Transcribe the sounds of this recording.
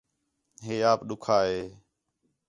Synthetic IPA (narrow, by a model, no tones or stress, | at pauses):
ɦeːaːpɗʊkʰaːɦeː